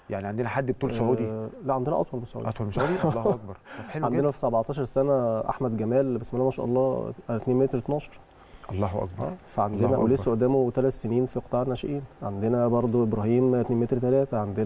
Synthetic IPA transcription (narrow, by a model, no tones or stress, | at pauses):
ja̰ʕniʕand̪enæħad̪ːbet̪uːlsoʕuːd̪ilæʕand̪enæʔɑ̰t̪ˤwɑlmesˤoʕṵdʔɑt̪ˤwɑlmesud̪iʔlɑːɑkbɑɾˤħeluʕand̪enæfi̥sæbaʕt̪ˤɑːʃɑɾˤsænæʔa̰ħmæd̪ɡæmæːlbesmælæmæʃæ̰ʔɑlˤːɑːʔæt̪neːnmet̪ɾet̪nɑːʃɑ̥ɾˤ | ʔɑlˤːɑːɦʔɑ̰k̚bɑʔæ̰ːfæʕand̪enæʔæ̰wlessæʔod̪ːæːmot̪ælæt̪seniːnfiqt̪ˤɑːʕenæʃeʔiːnʕand̪enæbɑɾˤd̪ˤoʔebɾɑɦiːmt̪neːnmet̪ɾt̪ælæːt̪æʕand̪e